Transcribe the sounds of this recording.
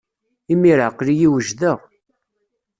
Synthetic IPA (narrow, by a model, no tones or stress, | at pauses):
imiɾəqːlijiwəʒðəʁ